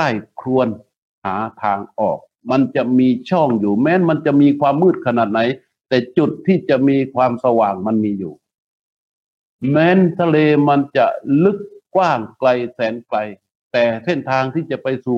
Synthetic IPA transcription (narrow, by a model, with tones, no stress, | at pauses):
aː˧˩jkʰlu˧ən | haː˩˦t̪ʰaː˧ŋʔɔː˨˩k̚ | ma˧nt͡ɕa˨˩miː˧t͡ɕʰɔː˥˩ŋjuː˨˩mɛː˧˥˨nma˧nt͡ɕa˨˩miː˧kʰwaː˧mːɯː˥˩t̪̚kʰa˧naː˨˩t̪̚na˨˩˦j | t̪ɛː˨˩t͡ɕu˨˩t̪ʰːiː˧˩t͡ɕa˨˩miː˧kʰwaː˧msa˧waː˨˩ŋma˧˥nmiː˧juː˨˩ | mɛː˧˥˨nt̪ʰa˧leː˧ma˧nt͡ɕa˧˩lɯ˧˥kːwaː˥˩ŋkla˧jsɛː˨˦nkla˧j | t̪ɛː˨˩se˧˥˩nt̪ʰaː˧ŋt̪ʰiː˧˩t͡ɕa˨˩pa˧jsuː˨˩